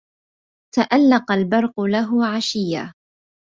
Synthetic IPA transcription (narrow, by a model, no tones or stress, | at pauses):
t̪aʔalːɑqɑlbɑɾˤqʊlaɦʊʕaʃɪjːa